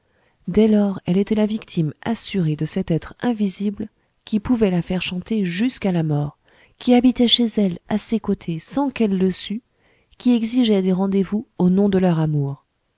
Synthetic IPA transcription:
d̪ɛlɔʁɛlet̪ɛlavikt̪ʰima̰syʁed̪əsɛt̪ɛt̪χɛ̃vizibl | kʲipuvɛlafɛʁʃɑ̃t̪eʒyskalamɔːʁ | kʲiabit̪ɛʃezɛlasekot̪ʰesɑ̃kɛlːəsy | kʲiɛɡziʒɛd̪eʁɑ̃d̪evuonɔ̃d̪əlœʁamuːʁ

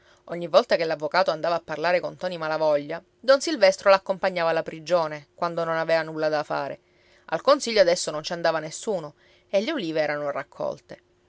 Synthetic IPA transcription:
oɲːivːɔlt̪akelːavːokaːt̪oand̪aːvaːpːarlaːɾekont̪ɔːnimalavɔʎːa | d̪ɔnsilvɛst̪ɾolakːompaɲːaːvalːapɾid͡ʒoːnekwand̪ononavɛːvanulːad̪afa̰ːɾḛ | ʔa̰lkonsiʎːoad̪ɛsːonont͡ʃand̪aːvanesːuːno | elːeoliːveɛːɾanorakʰːɔ̰lt̪e

